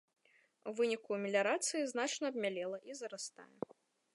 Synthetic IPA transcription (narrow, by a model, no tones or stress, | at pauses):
uvɨnʲikumʲɪlʲɐɾat̪sɨjiznat͡ʂnɐɐbmʲalʲɛlˠɐʔizɐɾast̪a̰jɛ